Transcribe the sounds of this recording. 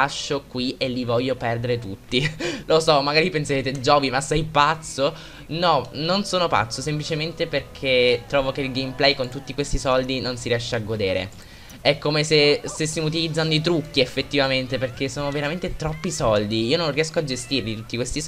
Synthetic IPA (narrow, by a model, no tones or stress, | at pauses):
aʃːokwielivɔʎːopɛrd̪eɾet̪ut̪ːilosɔmːaɡaːɾipenseɾeːt̪ed͡ʒɔvimasɛjpat̪sːo | nɔnonsoːnopa̰t̪sːosemplit͡ʃement̪eperkʰet̪ːɾɔːvokeilɡejmplɛjkont̪ut̪ːikwest̪isɔld̪inonsiɾiɛʃːeaɡːod̪eːɾḛ | ɛkːomesest̪esːimut̪̬ilid̪zːanoit̪̬ɾukʰːiefːet̪ːivament̪eperk̟esːoːnoveɾament̪et̪ɾɔpːisɔld̪iiːonõnriɛskoad͡ʒest̪irlit̪ut̪ːikwest̪is